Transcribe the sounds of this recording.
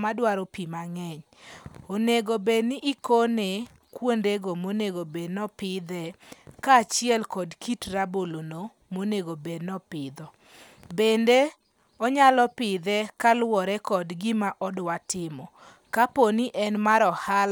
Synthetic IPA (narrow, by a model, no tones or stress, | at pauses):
madwaɾɔpimaŋɛɲ | oneɡobeniʔːkone | kwondeɡomoneɡobednɔpɪd̪ɛkaːt͡ʃɪɛlkɔdkitrabolono | moneɡobednɔpɪd̪ɔ | bende | ɔɲalɔpɪd̪ɛkalwɔɾɛkɔdɡɪmaʔɔdwatɪmɔ | kaponiʔɛnmaɾɔhal